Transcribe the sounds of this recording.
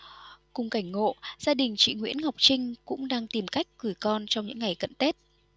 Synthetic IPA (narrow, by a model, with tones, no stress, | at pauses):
kʊ˨˩ŋ͡mka˧˩jŋ̟ŋo̰˧˨z̥aː˧ɗï˨˩ŋ̟t͡ɕḭ˧˨ŋwḭ˧˥ənha˨˩wk͡p̚t͡ɕï˧ŋ̟kʊ̰˧˥ŋ͡mɗaː˧ŋt̪i˨˩mka˦˥jk̟̚kwi˧˩kɔ˧nt͡ɕɔ˧wŋ͡mɲɨ̰˧˥ŋːa˨˩jkə̰˧˨nt̪e˦˥t̚